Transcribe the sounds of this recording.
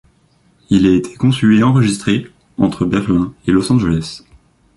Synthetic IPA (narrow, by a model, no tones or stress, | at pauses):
ilɛet̪ʰe̥kɔ̃syeɑ̃ʁəʒist̪χe | ɑ̃t̪χəbɛʁlɛ̃elɔsɑ̃ʒəlɛs